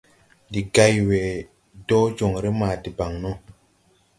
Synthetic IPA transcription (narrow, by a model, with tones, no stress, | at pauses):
di˨ɡa˦jwe˨ | dɔ˦d͡ʒo˨ŋɾe˦maː˨di˨ba˨ŋno˦